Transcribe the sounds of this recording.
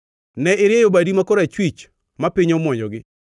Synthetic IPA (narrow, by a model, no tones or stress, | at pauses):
nɛɪɾjejobadimakoɾat͡ʃwit͡ʃ | mapɪɲomwɔɲɔɡɪ